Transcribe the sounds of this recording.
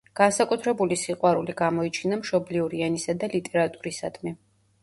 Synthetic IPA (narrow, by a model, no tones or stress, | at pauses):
ɡ̥ansakʼut̪ʰɾɛbulisiqʼwaɾuliɡamɔit͡ʃʰinamʃɔbliuɾianisad̪alit̪ʼɛɾat̪ʼuɾisad̪̥mi